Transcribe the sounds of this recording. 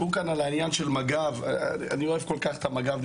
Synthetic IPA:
ukanalainjanʃe̞lmaɡavanio̞evko̞lkaχe̥t̪amaɡav

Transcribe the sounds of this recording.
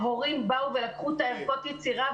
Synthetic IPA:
voʁimbauvelakχut̪aevχo̞t̪jet͡siʁa

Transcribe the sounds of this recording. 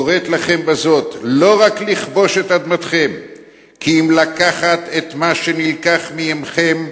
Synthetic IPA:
oʁet̪laχe̞mbazo̞t̪lo̞ʁakliχbo̞ʃe̞t̪ad̪mat̪χe̞m | kʰiimlakaχat̪e̞t̪maʃe̞nilkaχmijemχe̞m

